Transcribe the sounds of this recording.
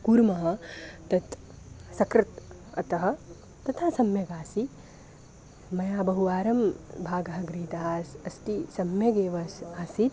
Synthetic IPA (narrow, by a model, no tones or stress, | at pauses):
kuːɾmɐɦɐ̆t̪ɐt̪ | sɐkɾɪt̪ | ɐ̰t̪ɐɦɐ̆ | t̪ɐt̪ʰaːsɐmjɐɡaːsi | mɐjaːbɐɦuʋaːɾɐmbʱaːɡɐɦɐɡɾiːt̪aːsɐsʈisɐmjɐɡeːʋɐsaːsit̪